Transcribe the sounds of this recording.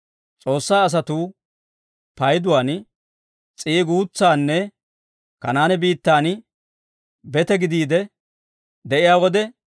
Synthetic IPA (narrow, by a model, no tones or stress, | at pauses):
t͡sʼo̞ːsːaːs̬ɐt̪u | pɐjd̪ʊwaːn | t͡sʼiːɡuːt͡sːaːnːɛ | kɐnaːnɛbiːt̪ːaːn | bɛt̪ɛɡɪd̪iːd̪ɛ | d̪ɛʔɪjaːwɔd̪ɛ